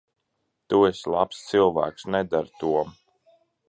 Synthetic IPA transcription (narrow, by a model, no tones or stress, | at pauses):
t̪ueslˠapst̪silˠvæ̰ːksnɛd̪aɾt̪uɔm